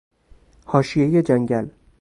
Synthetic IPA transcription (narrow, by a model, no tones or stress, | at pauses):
hɒːʃijejed͡ʒæŋɡæl